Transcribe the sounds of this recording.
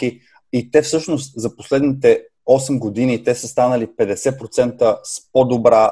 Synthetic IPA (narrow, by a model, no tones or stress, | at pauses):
i | it̪ɛfsɤʃnost̪zɐposlɛd̪nit̪ɛ | ɔsɛmɡod̪init̪ɛsəst̪anəlipɛd̪ɛsɛpɾot̪sɛnt̪əspod̪obɾa